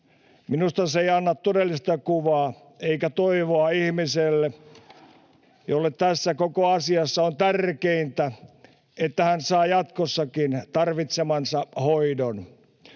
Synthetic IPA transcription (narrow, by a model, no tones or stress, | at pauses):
minust̪ɑseiɑnːɑttodelːist̪ɑkuʋɑː | eikæt̪oiʋoɑihmiselːe | jolːett̪æsːækokoɑsiɑsːɑont̪ærkeint̪æ | et̪ːæhænsɑːjɑt̪kosːɑkint̪ɑrʋit̪semɑnsɑhoidon